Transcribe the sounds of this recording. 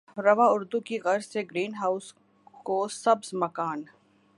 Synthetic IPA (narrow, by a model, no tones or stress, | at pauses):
ɾɐʋaʊɾd̪ukiɣɐɾzseɡɾiːnɦaːʊs | kosɐbzmɐkaːn